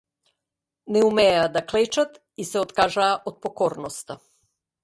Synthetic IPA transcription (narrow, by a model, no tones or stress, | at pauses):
neumead̪aklet͡ʃat̪ | iseot̪kaːʒaːʔod̪̚pokoːɾnost̪a